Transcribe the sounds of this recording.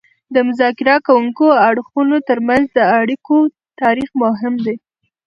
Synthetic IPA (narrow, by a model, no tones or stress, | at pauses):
d̪əmʊzɑkɪɾakawuŋkoaɽxunot̪əɾmanzd̪əaɽiko | t̪ɑɾixmʊɦɪmd̪e